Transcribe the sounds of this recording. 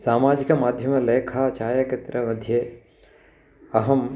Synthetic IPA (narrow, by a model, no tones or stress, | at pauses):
saːmaːd͡ʒikɐmaːd̪ʱjɐmɐleːkʰaːt͡ʃaːjɐkɐt̪ɾɐmɐd̪ʱjeː | ɐɦɐm